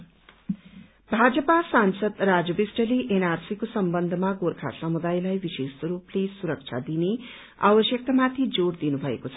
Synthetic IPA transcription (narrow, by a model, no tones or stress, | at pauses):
bʱad͡zʌpasansʌd̪ɾad͡zʌbisʈʌleʔenarsikosʌmbʌnd̪ʱəmaɡoɾkʰa̰samud̪ajlajbisesɾuplesuɾʌk̚t͡ʃʰa̰d̪ine | a̰bʌsjʌk̚t̪amat̪ʰid͡zoɽd̪inubʱʌḛkot͡sʰʌ